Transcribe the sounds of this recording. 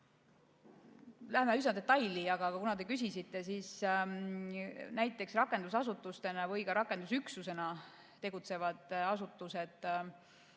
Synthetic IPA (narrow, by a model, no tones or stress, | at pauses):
læhemeysnɑd̪et̪ːˑɑjliɑɡ̥ɑkɑkunɑd̪e̞kys̬ʲisit̪ːe̞siːs | næjt̪ːˑe̞ksrɑkːˑe̞nd̪usɑsut̪ːˑust̪e̞nɑvɯjkɑɾɑkːˑe̞nd̪usyksuse̞nɑ | t̪e̞ɡ̥ut̪se̞vɑd̪̥ɑsut̪ːˑuse̞d̪̥